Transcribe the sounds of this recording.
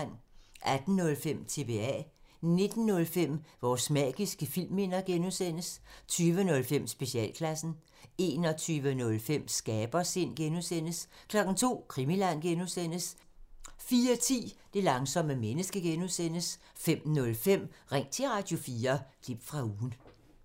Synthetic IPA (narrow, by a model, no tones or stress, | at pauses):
n̰ʔæd̥n̩nɔ̽lfem̰t͡sʰe̝ʋe̝ɛ̰ | ne̝d̥n̩nɔ̽lfem̰ʋɒːsmɛ̰ːɡ̥isɡ̥əfil̰me̝n̰ɐɡ̥enusen̰əst͡sʰyːʋənɔ̽lfem̰sb̥e̝ɕiɛ̰ːlkʰlæsn̩ | e̝ːnɒ̽t͡sʰyːʋənɔ̽lfem̰sɡ̥ɛːb̥ɐse̝n̰ɡ̥enusen̰əskʰlɒ̽ɡ̥n̩t͡sʰo̝̰ːkʰʁimilæn̰ɡ̥enusen̰əs | fiːɐt͡sʰḭːd̥e̝lɑ̈ŋsɒ̽m̰əmenəsɡ̥əɡ̥enusen̰əs | fem̰nɔ̽lfem̰ʁeŋ̰t͡sʰe̝ʁɑ̈d̥jo̝fiːɐkʰlib̥fʁɑ̈uːn̩